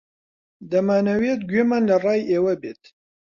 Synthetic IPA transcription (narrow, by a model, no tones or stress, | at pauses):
d̪ɐmaːnɐwet̪̚ɡɥeːmaːnlɐrɑːjʔeːwɐbeːt̪